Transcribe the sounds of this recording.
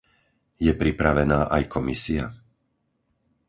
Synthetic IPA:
jɛpɾipɾaʋɛnaːʔajkʰɔmisia̰

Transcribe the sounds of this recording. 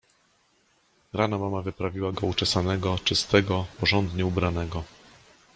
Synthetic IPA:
ɾanamamavɘpɾavʲiwaɡɔut͡ʂɛsanɛɡɔt͡ʂɘst̪ɛɡɔpɔʐɔnd̪ɲɛubɾanɛɡɔ

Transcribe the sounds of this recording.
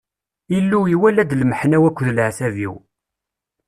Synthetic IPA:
ilːuiwælæd̪lməħnæwækʷːðlʕθævḭw

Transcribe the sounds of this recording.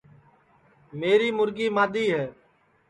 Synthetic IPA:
meːɾiːmʊɾɡiːmaːd̪iːɦɛː

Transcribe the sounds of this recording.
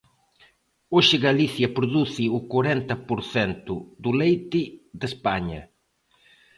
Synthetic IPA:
oʒɪɣaliθjɐpɾoðuθɪukoɾɛnt̪ɐpoɾθɛnt̪ʊd̪ulejt̪ɪd̪espaɲɐ̰

